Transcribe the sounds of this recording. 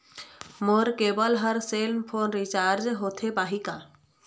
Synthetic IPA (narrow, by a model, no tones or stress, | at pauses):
moɾkebəlɦəɾselpʰonɾit͡ʃaːɾd͡ʒɦot̪ʰebaːɦika